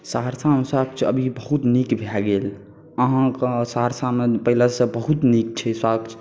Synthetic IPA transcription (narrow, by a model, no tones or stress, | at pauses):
saɦəɾsameswak̚t͡ʃʰə̰bʱibəɦut̪nikbʱaɡel | əɦãksaɦəɾsamepəɦiləsə̃bəɦut̪nik̚t͡ʃʰɛswakt͡ʃʰ